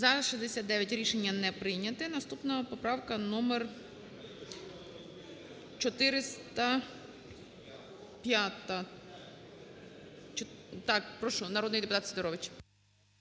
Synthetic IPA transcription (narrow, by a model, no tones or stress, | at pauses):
zɐʃɛzd̪esʲat̪d̪ɛʋʲjɐtʲɾʲiʃenʲːɐnɛpɾɪjnʲɐt̪ɪnɐst̪upnɐpɔpɾɑwkɐnɔmer | t͡ʃɔt̪ɪɾɪst̪ɐ | pʲjat̪ɐ | t͡ʃt̪ɑkpɾɔʃɔnɐɾɔd̪nɪjd̪epʊt̪ɑt̪sʲed̪ɔɾɔʋɪt͡ʃ